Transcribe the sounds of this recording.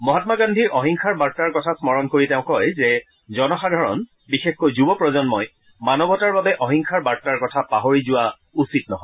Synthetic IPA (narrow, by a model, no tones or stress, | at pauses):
mɔɦatmaɡandʱiɹʔɔɦiŋkʰaɹbaɹtaɹkɔtʰasmɔɹɔnkoɹitɛʊ̃kɔjzɛ | zɔnɔxadʱɔɹɔn | bixexkojzubɔpɹɔzɔnmɔj | manɔbʱɔtaɹbabɛʔɔɦiŋkʰaɹbaɹtaɹkɔtʰapaɦoɹizʊwa | usitnɔɦɔɪ